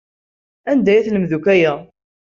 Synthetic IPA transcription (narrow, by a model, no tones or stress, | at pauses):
ænd̪æjæθləmðukæjæ